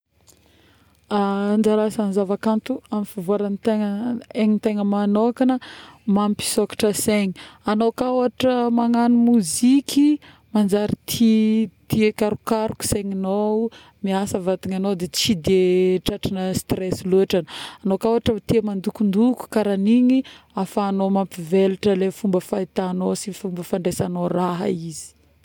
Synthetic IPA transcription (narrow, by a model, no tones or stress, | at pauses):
and͡ʒaɾasanzavakant̪uamifavoaɾanit̪eŋəeŋint̪eŋəmanokanəmampi̥sokḁʈ͡ʂəseɲianokawaʈ͡ʂəmaŋanumuzikʲi | mand͡ʒaɾit̪ʰit̪iekaɾukaɾuku̥seŋino | miasəvat̪iŋanod̪et͡sid̪eʈ͡ʂaʈ͡ʂinəst̪ɾesiluaʈ͡ʂananokawaʈ͡ʂət̪iamand̪ukund̪uku̥kaɾaniɲiafaːnomampiveluʈ͡ʂəlefumbəfajt̪anosifumbəfaɳɖ͡ʐesanoraɦə̰izi̥